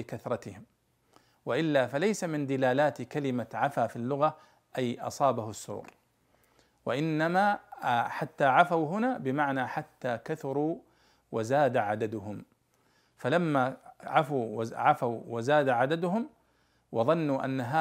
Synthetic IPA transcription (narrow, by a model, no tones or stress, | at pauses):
ɪkaθɾˤɑt̪ɪhɪm | waʔɪlːafalajsamɪnd̪ɪlaːlaːt̪kalɪmaʕafaːfilːʊɣa | ʔajʔɑ̰sˤɑːbahʊsːṵːɾ | waʔɪnːamaħat̪ːaːʕafawɦʊnaːbɪmaʕnaħat̪ːaːkaθʊɾˤuː | wazaːd̪aʕad̪ad̪ʊɦʊm | falamːaʕafuʕafawwazaːd̪aʕad̪ad̪ʊɦʊm | wʔɑðˤɑnːuʔa̰nːaɦaː